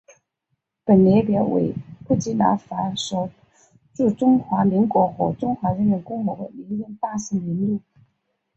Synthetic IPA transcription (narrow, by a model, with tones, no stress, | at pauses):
pə˨˩nljɛ˧˥pjɑ˧˥wḛ˧˩ɪpu˥˩t͡ɕi˧˥na̰˧˥fa˧˥ʂo˧˩ʊ | ʈ͡ʂu˥˩ʈ͡ʂʊ˥ŋxwa˧˥mi˧˥ŋkwɔ˧˥xwɔ˧˥ʈ͡ʂʊ˥ŋxwa˧˥ɻə˧˥mi˧˥nkʊ˥ŋɔ˧˥d̪ə˧li˧˥ŋji˧˥ŋpa˥˩sə˧˥ŋi˧˥nlu˥˩